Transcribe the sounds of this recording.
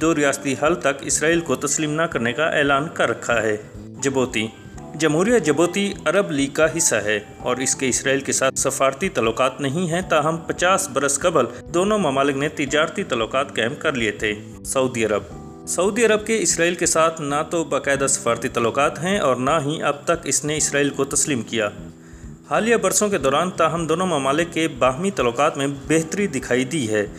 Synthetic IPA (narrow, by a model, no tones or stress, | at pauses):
d̪oːɾijaːst̪iɦɐlt̪ɐkɪ̰sɾaːiːlkot̪ɐsliːmnakɐɾnekaʔɛ̰ːlaːnkɐɾːɐkʰːaɦɛː | d͡ʒɐboːt̪i | d͡ʒɐmɦuːɾijad͡ʒɐboːt̪iɐɾəbliːɡ̚kaɦɪsːaɦɛː | ɔːɾɪskeɪsɾaːiːlkesaːt̪ʰsɐfaːɾt̪it̪aːlːoqaːt̪nɐɦĩɦɛ̃t̪aɦɐmpɐt͡ʃaːsbɐɾəskɐbəl | d̪oːnõmɐmaːlɪknet̪ɪd͡ʒaːɾt̪it̪aːlːoqaːt̪kɛːmkɐɾliet̪ʰeː | sɐuːd̪iɐɾəb̚ | sɐuːd̪iɐɾəb̚keɪsɾaːiːlkesaːt̪ʰnat̪obɐqɛːd̪asɐ̥faːɾt̪it̪aːlːʊqaːt̪ɦɛ̃ʔɔːɾnaɦĩʔɐb̚t̪ɐkɪsneɪsɾaːiːlkot̪ɐsliːmkijaː | haːlijabɐɾsõked̪ɔːɾaːnt̪aɦɐmd̪oːnõmɐmaːlɪkːebaːɦmit̪aːlːoqaːt̪mẽbeːɦt̪əɾid̪ɪkʰaːid̪iɦɛː